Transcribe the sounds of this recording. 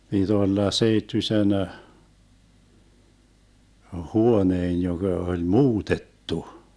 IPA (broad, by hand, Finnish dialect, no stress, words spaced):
pid̥ olːɑ seitːysen huoneːn joɡ̊ɑ olʲ muːtetːu